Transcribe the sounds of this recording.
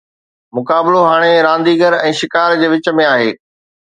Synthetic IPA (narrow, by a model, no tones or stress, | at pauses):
mʊkaːbɪloɦaːɽ̃eɾãːnd̪iːɡəɾɛ̃ːʃɪkaːɾd͡ʑeːʋɪt͡ɕə̆mẽaːɦeː